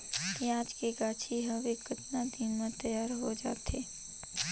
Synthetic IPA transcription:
kiaːd͡ʒkeɡaːt͡ʃʰiɦɐʋekət̪nad̪inmẽt̪ɐjaːɾɦod͡ʒa̰ːt̪ʰeː

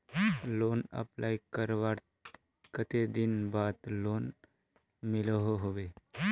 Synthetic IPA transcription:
loːnə̰plaːjkəɾʋaɾ | kət̪ed̪ɪnbaːd̪loːn | mɪləɦoɦoʋe

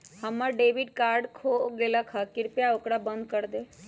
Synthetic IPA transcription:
həmːəɾɖeːʋiɖ̚kaːɾɖkʰoɡelakʰakɪɾpjaokɽabə̃nd̪̚kəɾd̪e

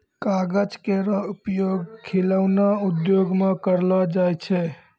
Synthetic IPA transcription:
kaɡəd͡ʒkeɾəupjoɡkʰiləʊnaud̪joɡmekəɾlɔd͡ʒajt͡ʃʰɛ

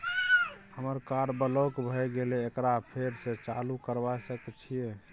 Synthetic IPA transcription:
həməɾkaɾbəlokbʱəjɡeleːkɾapʰeɾset͡ʃalukəɾbajsəkɛt͡ʃʰije

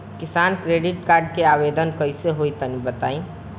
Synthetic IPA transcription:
kɪsaːnkɾeːɖɪʈkaːɾɖ̚keaːʋeːd̪ənkəiseɦoit̪ənibət̪aːĩ

